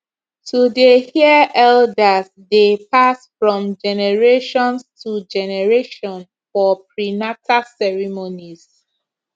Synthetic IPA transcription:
tʰudehiəʔɛldəs | depasfɹɔ̃md͡ʒɛnɛɹeʃɔ̃nstʰud͡ʒɛnɛɹeʃɔ̃n | fɔpɹinatʰasɛɹimoniz

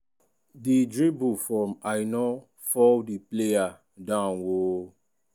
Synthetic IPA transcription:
didɹibufɔmajnɔ | fɔldipleja | dãnwo

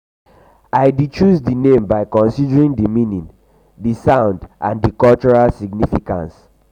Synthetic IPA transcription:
aɪdit͡ʃuzdinẽmbaɪkɔ̃nsidəɹĩŋdimĩnĩn | disãʊ̃ndʔã̰ndikɔlt͡ʃɔɹalsiɡnifikã̰ns

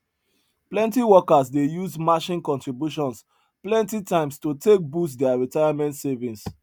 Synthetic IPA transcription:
plɛ̃ntiwɔkas̬dejuzmaʃĩnkɔ̃ntɹibjuʃɔ̃ns | plɛ̃ntitãɪ̃mstotek̚bus̬dɛaɹitaɪamɛ̃ntsɛvĩns

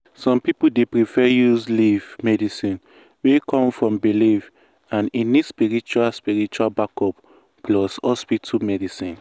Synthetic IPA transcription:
sɔ̃mpipudepɹifɛjuzlivmɛdisĩn | wekʰɔ̃mfɹɔ̃mbiliv | ãnĩnispiɹit͡ʃualspiɹit͡ʃualbakɔp | plɔshɔspitʰumɛdisĩn

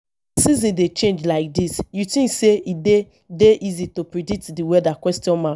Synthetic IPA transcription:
sizĩndet͡ʃẽnd͡ʒlaɪk̚disjutĩŋkseʔide | deʔizitopɹidik̚tdiwɛdakwɛstjɔ̃nmã

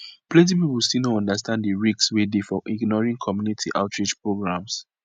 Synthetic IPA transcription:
plɛ̃ntipipulstinoɔ̃ndastãnddəɹikswedefɔʔiɡnɔɹĩŋkʰɔmjunitʰiʔa̰ʊtʰɹid͡ʒpɹoɡɹãms

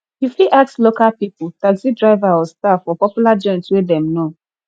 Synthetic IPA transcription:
ifiʔakslokalpipʊtasidɹaɪvaɔstafɔpɔpjulad͡ʒɔ̃ntwedɛ̃mno

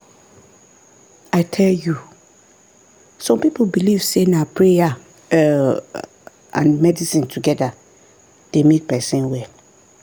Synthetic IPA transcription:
aɪtʰɛlju | sɔ̃mpipobiliv̥senapʰɹeja | ã̰nmɛdisĩntʰuɡɛda | d̥emet̚pʰɛsĩnwɛ

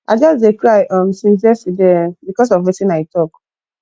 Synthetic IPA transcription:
ad͡ʒɔsdekɹaɪʔɔ̃msĩnsɛsidɛbikɔs̬ɔvitĩnaɪtɔk

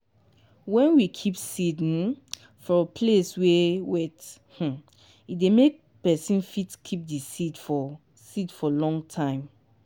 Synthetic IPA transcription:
wɛ̃nwikʰipsid̃n | fɔ̃pʰleswɛwɛth̩ | idemek̚ | pɛsĩnfitkʰip̚disitfɔ | sidfɔlɔ̃ŋtʰãɪ̃m

